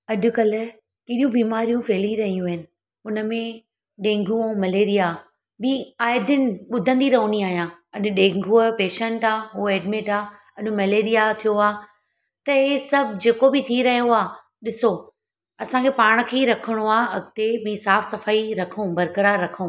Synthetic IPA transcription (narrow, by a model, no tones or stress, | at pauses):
ɐʄʊkɐl̤ɪ̆ | keɗijũbiːmaːɾijũfeːliɾɐɦijũɪnɪ̆ | ʊnəmẽ | ɗẽːŋɡʱũõmɐleːɾija | biaːɪd̪ɪnɪ̆ɓʊd̪ʱə̃nd̪iɾɐɦʊñiaːɦijãːɐɗɗẽːŋɡʱuəpeːʃə̃ɳʈaːɦuːeːɖmẽʈaː | ɐɗʊ̃mɐleːɾijat̪ʰijoaː | t̪ɐɦesɐbʱd͡ʑeːkobɪt̪ʰiɾɐɦijoaː | ɗɪso | ɐsãkʰeːpaːɽ̃̆kʰeɾɐkʰəɽ̃oaːɐɡt̪emĩsaːfsɐfaːiɾɐkʰũbɐɾkəɾaːɾːɐkʰũː